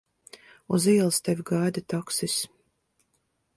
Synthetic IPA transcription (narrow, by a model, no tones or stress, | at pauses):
uziɛlˠst̪ɛvʲɡajd̪at̪aksis